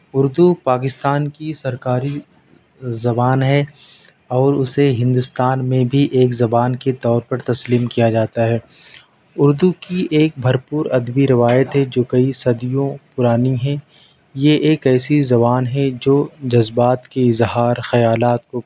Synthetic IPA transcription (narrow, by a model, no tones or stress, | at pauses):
ʊɾd̪upaːk̬ɪst̪aːnkisɐɾkaːɾi | zɐbaːnɦɛ | ɔːɾʊseɦɪ̃nd̪ʊst̪aːnmẽbʱiʔeːkzɐbaːnket̪ɔːɾpɐɾt̪ɐsliːmkijad͡ʒaːt̪aɦɛː | ʊɾd̪ukiʔeːk̚bʱɐɾpuːɾɐd̪biɾɪʋaːjət̪ɦɛd͡ʒoːkɐisɐd̪ijõpʊɾaːniɦɛ̃ | jeʔeːkɛːsizɐβaːnɦɛd͡ʒoːd͡ʒɐzbaːt̪keɪzɦaːɾxɐjaːlaːt̪ko